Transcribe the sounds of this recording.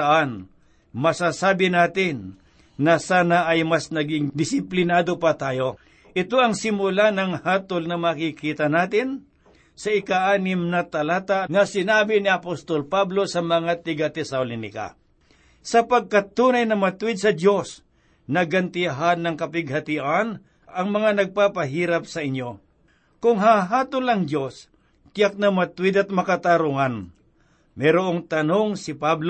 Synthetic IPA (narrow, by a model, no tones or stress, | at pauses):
ʔan | mɐsaːsaːbɪnaːt̪ɪnː | ɐsaːnaʔɐjmɐsnɐɡɪŋd̪ɪsɪplɪnaːd̪opɐt̪aːjo̞ | ʔɪt̪o̞ɐŋsɪmʊlanɐŋhaːt̪olnɐmaːkikiːt̪ɐnaːt̪ɪn | sɐʔɪkaʔaːnɪmnɐt̪ɐlaːt̪aŋɐsɪnaːbɪniɐpost̪olpablo̞sɐmɐŋat̪ɪɡɐt̪ɛsɐwlɪnɪ̰ka̰ | sɐpɐɡ̚kat̪ːuːnajnɐmɐt̪wɪd̪̚sɐd̪jo̞s | nɐɡɐnt̪ɪɦanːɐŋkɐpɪɡ̚hɐt̪ɪʔan | ɐŋmɐŋanɐɡ̚papɐɦiːɾap̚sɐʔɪɲo̞ | kʊŋɦaɦaːt̪ʊlɐŋd̪jos | kɪjak̚nɐmɐt̪ʊwɪd̪ɐt̪̚mɐkat̪aɾuŋan | mɛɾoʔoŋt̪ɐnoŋsɪpabl